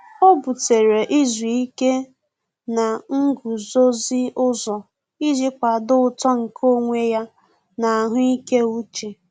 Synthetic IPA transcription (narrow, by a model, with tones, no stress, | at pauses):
o˦bu˨te˨ɾe˨ʔi˦zu˨i˦ke˦ | na˨ŋ̩˦ɡu˨zo˦zi˦ʊ˦zɔ˨ | i˦d͡ʒi˦kʷa˨dʊ˦ʊ˨tɔ˦ŋ̩˨kʰo˦ŋʷe˦ja˦ | na˨a˨ɦʊ˦i˦ke˦u˦t͡ʃe˨